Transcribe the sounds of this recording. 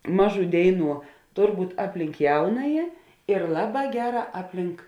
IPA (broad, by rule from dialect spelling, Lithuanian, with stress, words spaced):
ˈmɑːˌʒuː ˈdʲeːɪˌnuː ˈtoːr ˈbuːtʲ ˈɑːpʲˌlʲɪŋk ˈjɛʊnɐjɪ ɪr ˈlˠɑːˌbɑː ˈɡʲæːˌrɑː ˈɑːpʲˌlʲɪŋk